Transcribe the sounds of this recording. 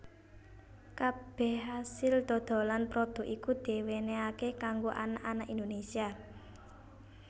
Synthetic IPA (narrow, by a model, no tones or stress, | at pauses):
kab̥ɛ̤hɦasɪld̪̥ɔ̤d̪̥o̤lanpɾod̪̥ɔ̤kʔikud̪̥e̤weneakekaŋɡoʔanaʔanaʔind̪onesia